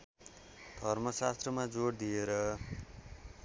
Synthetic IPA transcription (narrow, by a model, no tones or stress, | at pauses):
d̪ʱʌrmʌsast̪rʌmad͡zoɽd̪ijeɾʌ